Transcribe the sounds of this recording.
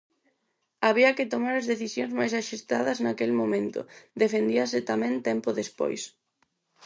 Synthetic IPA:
aβ̞iɐkɪt̪omaɾɐzðeθisjoŋzmajs̬aʃust̪aðɐznakelmõmẽnt̪ʊ̰d̪efend̪iɐsɪt̪amɛ̃nt̪ɛmpoðespo̰js

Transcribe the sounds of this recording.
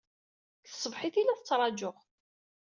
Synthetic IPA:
θə̥sˤːəvħiθilæθət͡sːɾˤɑd͡ʒʊχ

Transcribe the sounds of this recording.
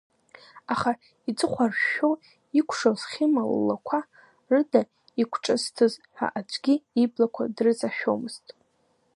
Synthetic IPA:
aχa | id͡zʼɨχʷarʃo | ikʷʰʂozχʲimaw̰lːakʷʰa | rɨda | ikʷʰʈ͡ʂʼɨstʰɨzħa̰ʔad͡ʒʷʰʼɡʲiiblakʷʰadrɨzaʃᶣo̰mɨz̥tʼ

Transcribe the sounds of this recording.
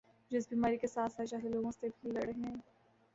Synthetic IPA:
d͡ʒɪsbiːmaːɾikesaːt̪ʰɛt͡ʃaːɦeloːɡõsebʱilɐɽɦɛ̃ː

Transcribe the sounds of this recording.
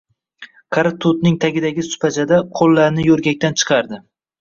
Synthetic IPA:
kʰɑɾat̪ʰʊt̪nɪŋt̪ʰaɡʲɪd̪aɡʲɪsʊ̥pʰat͡ʃʰad̪aqʰolˠːaɾnɪjɵɾɡʲak̚ʲt̪ant͡ʃʰɨ̥qʰɑɾd̪ɪ

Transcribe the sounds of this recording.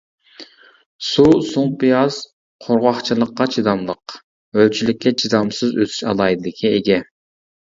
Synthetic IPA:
susuŋpijɑz̥ | qʰoɾʁɑχt͡ʃʰilˠəqːɑt͡ʃʰid̪ɑmlˠəq | ølt͡ʃʰilɪkʲːɛt͡ʃʰid̪ɑmsɨzø̰t̪ʰy̥ʃɑ̰lˠɑjid̪ɨd̪ɪkʲʰieɡʲɛ

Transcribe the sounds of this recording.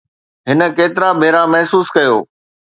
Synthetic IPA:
ɦɪnə̆keːt̪ɪɾabʱeːɾamɐɛɦsuːskɐjo̰ː

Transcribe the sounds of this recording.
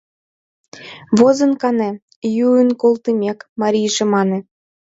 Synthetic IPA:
βozɤ̆nkɑne | juənkolˠt̪əmʲekmɑɾʲijʒĕmɑnĕ

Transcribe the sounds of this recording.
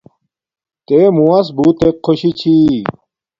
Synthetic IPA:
t̪emuɐsbut̪ekʰːoɕit͡ɕʰi

